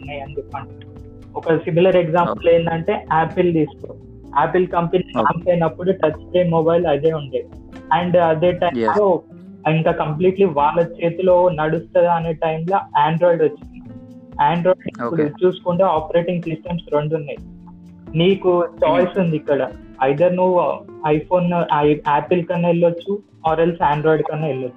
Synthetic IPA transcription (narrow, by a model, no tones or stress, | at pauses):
nːajɐnd̪ukɐɳu | ɔkɐsimilɐɾeɡzaːmpuleːnd̪ɐɳʈe̞ːaːpild̪iːsko | aːpilkɐmpɐninaːnsɐjnɐpːuɽuʈɐt͡ʃːʈeːmobɐjlɐd̪e̞ːuɳɖaːji | ɐɳɖɐd̪e̞ːʈɐjmlo̞ː | iŋkaːkɐmp̬liːʈliʋaːɭːɐt͡ʃe̞ːt̪ulo̞ːnɐɽust̪ɐd̪ɐneːʈɐjmloːaːɳɖɾoːjɖot͡ʃːind̪i | aːɳɖɾoːjɖippːuɽut͡ʃuːsu̥kuɳʈeːaːpɐɾe̞ːʈiŋɡsisʈɐmsɾo̞ɳɖunːɐji | niːkut͡ʃaːjsund̪ikːɐɽɐ | ɐjd̪ɐɾnuʋuɐjpʰo̞ːnaːpilkɐnːɐilːɐt͡ʃːu | ɔːɾelsaːɳɖɾɔːjɖkɐnːɐːiɭːɐt͡ʃːu̥